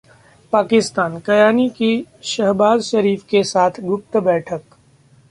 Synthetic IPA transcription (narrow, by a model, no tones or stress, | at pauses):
paːkɪst̪aːnkɐjaːnikiʃɐɦbaːzʃɐɾiːfkesaːt̪ʰɡʊp̚t̪bɛːʈʰək